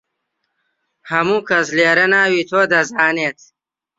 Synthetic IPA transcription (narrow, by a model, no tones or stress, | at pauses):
hɐmukɐsleːɾɐnaːwit̪ʰoːd̪ɐzaːneːt̪ʰ